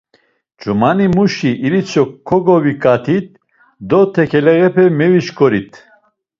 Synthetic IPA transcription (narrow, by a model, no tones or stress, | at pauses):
t͡ʃumanimuʃiʔːɾit͡ʃʰɔkʰːɔɡɔvikʼat̪ʰit̪̚ | d̪ɔt̪ʰɛkʰɛlɛɣɛpʰɛmɛviʃkʼɔɾit̪ʰ